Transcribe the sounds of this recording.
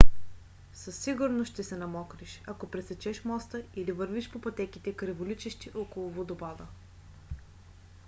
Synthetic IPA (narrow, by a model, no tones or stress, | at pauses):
sɐsːiɡʊɾnoʃʃt̪ɛsɛnɐmɔkɾiʃɐkopɾɛsɛt͡ʃɛʃmɔst̪əilivəɾviʃpopɐt̪ɛkit̪ɛkɾɛvolit͡ʃɛʃt̪iʔɔkolˠʊvod̪obad̪ə